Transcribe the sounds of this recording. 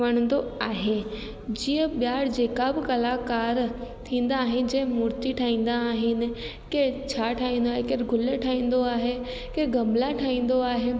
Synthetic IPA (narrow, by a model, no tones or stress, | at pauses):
ɐɽ̃ə̃n̆d̪oaːɦe | d͡ʑiːə̃ɓjaːɽd͡ʑeːkabɪkɐlakaːɾt̪ʰĩːn̆d̪aːɦɪnɪ̆d͡ʑẽːmʊɾt̪iʈʰaːĩːn̆d̪aːɦɪnɪ̆ | keːt͡ɕʰaːʈʰaːĩːnd̪oaːɦekeːɾɡʱʊləʈʰaːĩːn̆d̪oaːɦe | keːɡɐ̃mlaʈʰaːĩːn̆d̪oaːɦe